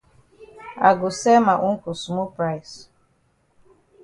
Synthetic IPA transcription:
a̰˨ɡʊ˨sɛ˦ma˨ʔu˦ŋ̩˦ku˨su˨mu˦pɾa˦js

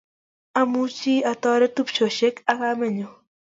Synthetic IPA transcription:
a˦mu˦t͡ʃi˦a˨t̪ɔ˦ɾɛ˦t̪u˦pt͡ʃo˨ʃe˦ka˦ka˦me˦ɲo˨

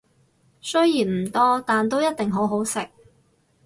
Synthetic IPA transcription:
sɵ˥ɥjjiː˨˩nm̩˨˩t̪ɔː˥t̪aː˨nt̪o˥wjɐ˥t̚t̪ɪ˨ŋɦo˨˥wɦo˨˥wsɪ˨k̚

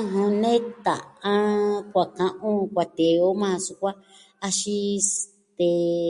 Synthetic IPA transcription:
ɦõ˧nẽ˦t̪a̰˨ã˦kʷa˨kã˧ʔũ˦kʷa˨t̪e˨o˦mã˦˧su˧kʷa˦ | a˧ʃi˦ | t̪e˧

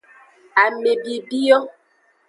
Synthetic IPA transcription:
a˨me˨bi˨bi˦jɔ˦

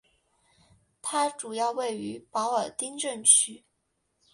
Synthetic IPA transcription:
t̪ʰa˥ʈ͡ʂu˨˩jɑ˥˧ʊwe˥˩ɪy˧˥pɑ˧˥ʊə˞˨˩t̪i˥ŋʈ͡ʂə˥˩nt͡ɕʰy˥

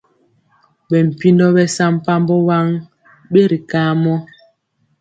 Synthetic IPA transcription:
ɓɛ˨m̩˨pi˦ndɔ˦bɛ˦sa˦m˦pa˦mbɔ˦wa˦ŋ | ɓe˦ɾi˨kaː˦mɔ˦

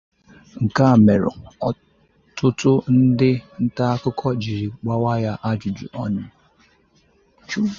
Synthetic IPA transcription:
ŋ̩˨ka˦˨me˨ɾʊ̰˨ɔ˨ | tʊ˦tʊ˦n̩˦dɪ˦n̩˦ta˦kʊ˦kʰɔ˦d͡ʒi˨ɾi˨k͡pa˦wa˦ja˦ʔa˦d͡ʒʊ˨d͡ʒṵ˨ʔɔ˦ɲʊ˦ | t͡ʃu˦

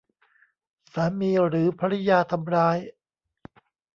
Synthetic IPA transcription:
saː˩˦miː˧ɾɯː˩˦pʰa˧ɾa˦˥jaː˧t̪ʰa˧mɾaː˧˥j

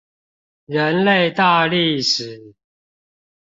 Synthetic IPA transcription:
ɻə˨˦nle˥˨ɪt̪a˥˧li˥˩ʂɻ̩˨˩˦

